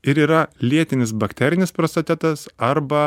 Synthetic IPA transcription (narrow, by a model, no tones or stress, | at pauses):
ɪɾiːɾɐlʲiɛt̪ʲɪnʲɪsbɐkt̪ʲɛɾʲɪnʲɪspɾost̪ɐt̪ʲɛt̪ɐsɐɾbɐ